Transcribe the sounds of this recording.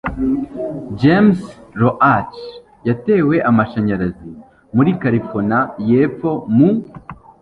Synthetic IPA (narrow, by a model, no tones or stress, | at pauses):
d͡ʒemsɾoʔat͡ʃ | jate̞ːwe̞ʔamaʃaɲaɾazi | muɾikaɾifonajefo̞mu